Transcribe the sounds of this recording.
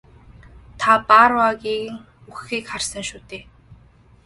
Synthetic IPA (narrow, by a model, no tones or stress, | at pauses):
t̪ʰapaɾwaɣiːŋ | uxiːkχarsə̆ŋʃuːt̪eː